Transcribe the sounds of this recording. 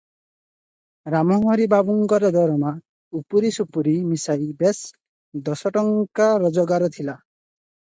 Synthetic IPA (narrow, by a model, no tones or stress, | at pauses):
ɾamɔmɔɾibabuŋɡɔɾɔd̪ʱɔɾɔma | upuɾisupuɾimisajbes | d̪ɔsɔʈɔŋkaɾɔd͡ʒɔɡaɾɔt̪ʰila